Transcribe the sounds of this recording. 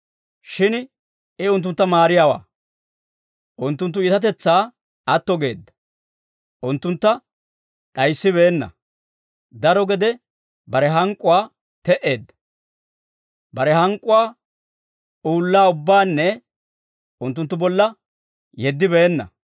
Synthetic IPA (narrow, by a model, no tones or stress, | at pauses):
ʃɪn | ɪʊnt̪̬ːʊnt̪ːɐmaːɾɪjawa̰ː | ʔʊnt̪ːʊnt̪ːʊiːt̪ɐt̪̬ɛt͡sːaː | ɐt̪ːɔɡe̞ːd̪ːɐ̥ | ʔʊnt̪ːʊnt̪ːɐ | ɗɐjsːɪβe̞ːnːɐ̰ | d̪ɐɾɔɡɛd̪ɛ | bɐɾɛɦɐŋkʼːʊwaː | t̪ɛʔe̞ːd̪ːɐ̥ | bɐɾɛhɐŋkʼːʊwaː | ʔuːlːaːʊbːaːnːɛ | ʊnt̪ːʊnt̪ːʊbɔlːɐ | jɛd̪ːɪbeːnːɐ̰